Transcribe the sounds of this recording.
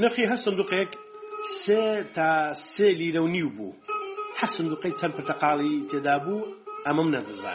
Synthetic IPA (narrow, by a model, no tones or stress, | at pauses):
nɨχiːɦɐɾsɨnd̪uːqek | seːt̪ʰaːseːliːɾɐwniwbṵːhɐɾsɨnd̪uːqejt͡sʰɐnpʰɨɾt̪ɐqɑːlˠit̪ʰeːd̪aːbuːɐmɐmnɐdɨza̰ːn